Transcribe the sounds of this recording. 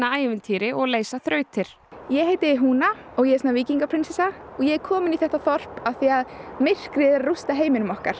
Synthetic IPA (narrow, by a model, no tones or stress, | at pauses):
aaːjvɪnt̪ʰiːɾɪʔɔɣleːjsaθɾœːɥt̪ʰɪɾ̥ | jɛɦeːjt̪ɪɦuːna | ɔɣjɛɛsnaviːciŋkapʰɾɪnsɛsa | ɔɣjɛɛɾkʰɔːmɪniθɛht̪aθɔr̥paθiaðmɪr̥kɾɪðɪɾarust̪aɦeːjmɪnʏmɔhkaɾ̥